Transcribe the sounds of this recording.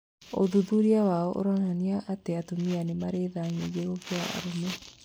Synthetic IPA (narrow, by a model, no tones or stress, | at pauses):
o̰ðuðuɾiawaɔʔo̰ɾananiaʔateatomianemaɾeðaːŋejeɾokeaa̰ɾome